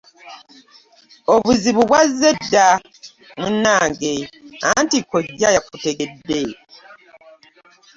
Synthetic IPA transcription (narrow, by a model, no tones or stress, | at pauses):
oβuziβuβwazːedːa | munːaːŋɡea̰ntikoɟːajakuteɡedːe